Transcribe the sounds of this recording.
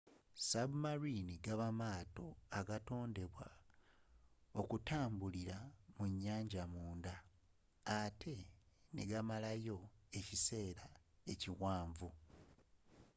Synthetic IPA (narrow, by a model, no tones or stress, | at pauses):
saβumaɾiniɡaβamaːto̞aɡato̞ːnde̞βwa | o̞kutaːmbuliɾamuɲːaːɲɟamuːndaː | tʰe̞nḛɡamalajo̞e̞cise̞ːɾae̞ciwaːɱvu